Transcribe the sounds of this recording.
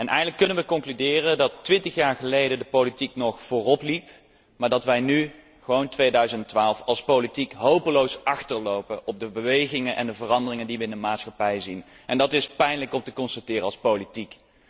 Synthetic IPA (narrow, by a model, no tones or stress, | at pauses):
ɛnʔɛ̰jxədələkːɵnənʋəkɔŋklydɪːrədɑtːʋɪntəχjaːɹχəlejdəndəpowlitiknɔχfʊːrɔplip | maːɹdɑtʋɛjny | χəʋowntʋejdœɥzənttʋaːlˠfɑlˠspowlitikɦowpəlowsɑχtəɹlowpəʔɔb̚dəbəʋejχɪŋənʔɛ̰ndəvərɑndərɪŋəndiʋəɪndəmaːtsχɑpɛjzin | ʔɛndɑtɪspɛjnləkɔmtəkɔnstatɪːɾəɑlˠspowlitik